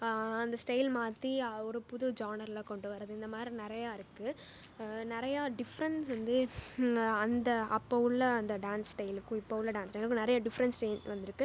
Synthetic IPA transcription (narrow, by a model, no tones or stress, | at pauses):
ɐnd̪ɐsʈɐɪlmaːt̪iɔɾɯpʊðʊd͡ʒaːnɐɾlɐkɔɳɖɯʋɐɾɐðɯɪnd̪ɐmaːd̪ɾinɪɾɐjaːɪɾɯkːɯ | nɪɾɐjaːɖɪfɐɾɐnsʋɐnd̪ɯ | ɐnd̪ɐɐpːɐʋɯlːɐɐnd̪ɐɖaːnssʈɐɪlɯkːʊ̃ɪpːɐʋɯlːɐɖaːnsʈɐɪlɯkːʊ̃nɪɾɐjaɖɪfɐɾɐnsʈeːnʋɐnd̪ɪɾɯkːɯ